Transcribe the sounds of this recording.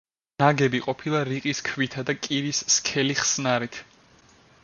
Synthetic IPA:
naɡɛbiqʼɔpʰilˠaɾiqʼiskʰvit̪ʰad̪akʼiɾisːkʰɛliχsnaɾit̪ʰ

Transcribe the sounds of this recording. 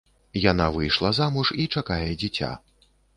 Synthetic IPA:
jan̪avɨjʂlˠɐzamuʂit͡ʂakajɛd͡zʲit͡sʲa̰

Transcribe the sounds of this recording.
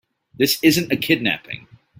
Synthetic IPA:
ðɪsɪzɨ̃ntɨkʰɪdⁿnæ̰pɪ̰̃ŋ

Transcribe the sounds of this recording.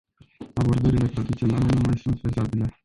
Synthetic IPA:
abo̞rd̪əɾile̞t̪ɾad̪ijonalenumajsunt̪fezabile̞

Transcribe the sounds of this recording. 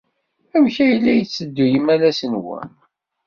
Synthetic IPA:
æmçæjəlːæjət͡sːəd̪ːujəmælæsənwə̰n

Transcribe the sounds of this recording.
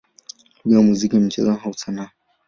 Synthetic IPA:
uɗiwamuzikim̩t͡ʃɛzaɦausana

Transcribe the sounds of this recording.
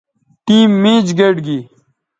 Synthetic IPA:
ʈiːmːĩːd͡ʑɡeɖɡiː

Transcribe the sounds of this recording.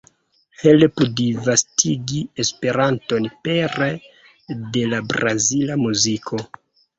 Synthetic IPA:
helpudivastʰiɡiespe̞ɾanto̞npeɾ | de̞labɾazilamuzikʰo̞

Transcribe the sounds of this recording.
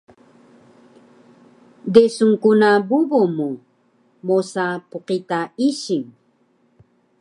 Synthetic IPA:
desuŋkunabubomu | mosapuqit̪aiɕiŋ

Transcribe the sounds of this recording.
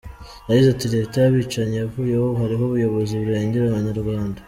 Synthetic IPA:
aizatiɾetajaβiːt͡ʃaɲejavuːjehoɦaɾiɦoβujo̞βo̞ziβuɾeːɲɟeɾananaɾɡaːnda

